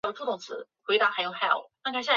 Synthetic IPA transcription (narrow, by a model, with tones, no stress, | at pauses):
jo˨˩ʈ͡ʂu˥˩t̪ʊ˥˩t͡sʰɹ̩̰˧˦xwe˧˥ɪt̪a˧˥xa˧˥jo˨˩ʊxa˥˩˨na˥˩kʰa˨˩ɕ̬a˥˩